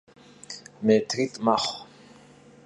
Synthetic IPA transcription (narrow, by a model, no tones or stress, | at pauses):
met̪ʰɾit̪ʼmaχ